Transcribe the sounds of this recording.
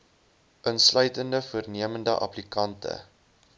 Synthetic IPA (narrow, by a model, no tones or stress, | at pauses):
ʔənslœɥtəndəfuərniəməndəʔɐ̰plikɐntə̰